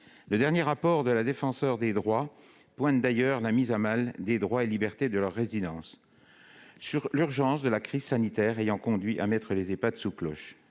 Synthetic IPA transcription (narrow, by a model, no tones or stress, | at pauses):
ləd̪ɛʁnjeʁapɔʁd̪əlad̪efɑ̃sœʁd̪ed̪ʁwa | pwɛ̃t̪̚d̪ajœʁlamizamald̪ed̪ʁwaelibɛʁt̪ed̪əlœʁːezid̪ɑ̃s | syʁlyʁʒɑ̃sd̪əlakχizsanit̪ɛʁejɑ̃kɔ̃d̪ɥiʔa̰mɛt̪χəlezepat̪suklɔʃ